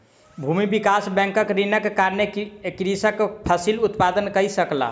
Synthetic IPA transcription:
bʱumibikasbɛ̃ŋkəkɾinəkːaɾnekɾisəkpʰəsilut̪pad̪ənkəjsəkla̰

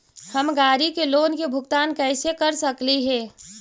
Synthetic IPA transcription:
həmɡaːɾikeloːnkebʱʊɡt̪aːnkɛːsekɐɾsəkliɦɛː

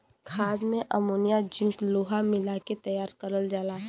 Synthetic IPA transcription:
kʰaːd̪mẽʔəmoːnijad͡ʒɪ̃ŋkloːɦamɪlaket̪əjaːɾkəɾəld͡ʒaːla

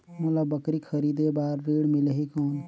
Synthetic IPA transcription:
moləbəkɾikʰəɾiːd̪ebaːɾːeːɽmɪləɦikɔːn

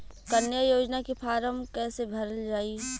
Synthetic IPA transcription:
kənjəjoːd͡ʒnakipʰaːɾəmkɛːsebʱɐɾəld͡ʒaːi

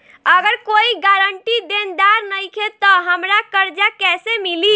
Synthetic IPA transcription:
əɡəɾkoiɡaɾəɳʈid̪end̪aɾnəjkʰet̪ɔɦəmɾakəɾd͡ʒakɛsemili

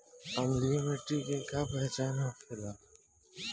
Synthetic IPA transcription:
əmlijomẽːʈiːkɪ̃kʰaːpɛɦt͡ʃaːnãːpʰɪlaː

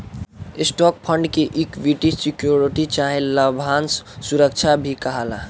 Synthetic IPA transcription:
isʈɔk̚pʰəɳɖkeʔikʋiʈisikjoɾiʈit͡ʃaɦẽləbʱanssuɾək̚t͡ʃʰabʱikəɦəla

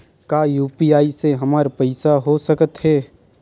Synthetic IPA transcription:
kaːjuːpiaːiseɦɐmaːɾpɐɪsaɦosəkət̪ɦɛː

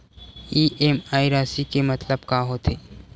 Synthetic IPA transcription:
iːʔeːmaːiɾaːsikemɐt̪ləbkaɦot̪ʰeː

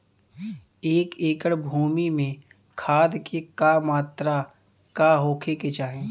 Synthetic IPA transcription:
eːkeːkəɽbʱuːmimẽ | kʰaːd̪kekamaːt̪ɾa | kaɦoːkʰeket͡ʃaːɦẽː

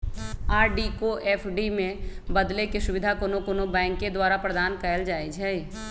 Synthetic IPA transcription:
aːɾɖikoʔɛːpʰɖimẽ | bɐd̪lekesʊʋɪd̪ʱakoːnokoːnobɛ̃ːŋkːed̪waːɾapɾəd̪aːnkəəld͡ʒaːid͡ʒʰʱɛi

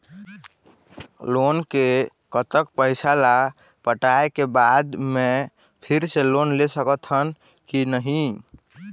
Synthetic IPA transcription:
lonke | kət̪əkpəɪsala | pəʈaekebad̪me | pʰiɾselonlesəkət̪ʰɦən | kinəɦi

